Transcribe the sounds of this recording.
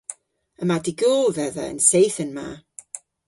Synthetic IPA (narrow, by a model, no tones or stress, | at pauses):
əmadiɡʊlˠvɛða̰ə̰nsejθənma̰